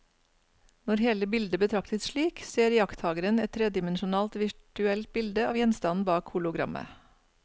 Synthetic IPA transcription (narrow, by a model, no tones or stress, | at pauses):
nɔɾheːləbɪld̪əbət̪ʰɾɑkt̪əsʃɭiːkseːɾjɑkt̪hɑːɡəɾənɛt̪t̪ʰːɾeːd̪ɪmɛnʃʊnɑːlt̪ʋɪʈʉɛlt̪̚bɪld̪əɑːʋjɛnst̪ɑnn̩bɑːkhuːlʊɡɾɑ̰mə̰